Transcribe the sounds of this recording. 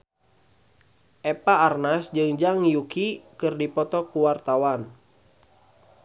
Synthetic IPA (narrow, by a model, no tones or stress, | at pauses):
ʔɛpaːrnasd͡ʒɨŋd͡ʒaŋjukikɨrdipɔt̪ɔkuwart̪awan